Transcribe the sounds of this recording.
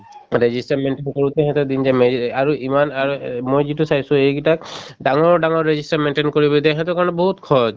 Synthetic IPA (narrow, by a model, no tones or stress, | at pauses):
ɹezistaɹmenʈenkoɹut̪ɛɦɛt̪ud̪inzɛmeaɹuʔimanaɹumojzitusajsʊ̃ejɡitak̚ɖaŋɔɹɖaŋɔɹːezistaɹmenʈenkoɹibɔt̪ɛɦɛt̪ɔkaɹɔnɔbɔɦut̪kʰɔd͡ʒ